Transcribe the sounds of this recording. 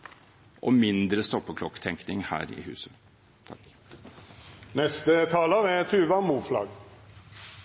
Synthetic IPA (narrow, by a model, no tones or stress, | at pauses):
ʔɔmɪnd̪ɾəst̪ɔpːəkʰlɔkːt̪ʰɛŋknɪŋhæ̰ːɾɪ̰hʉ̰ːsə | t̪ʰɑk | nɛst̪ət̪ʰɑːlɑɾɛt̪ʰʉːʋɑmuːflɑ̰ɡ